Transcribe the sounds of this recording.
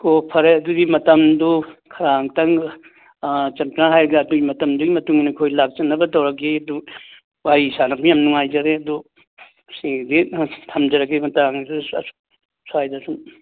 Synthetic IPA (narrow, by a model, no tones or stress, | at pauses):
kopʰɐɾeɐduɡimɐtɐmdukʰɐɾaŋtɐŋ | t͡ʃɐntnaɦajɾɐɡaːduɡimɐtɐmduɡimɐtuŋinikʰojlak̚t͡ʃɐnːɐbɐtɐwɾɐɡiɐdu | waisanɐpʰijamnuŋajd͡ʒɐɾeɐdu | siditʰɐmd͡ʒɐɾɐɡimɐtaŋdṵs | sajdasum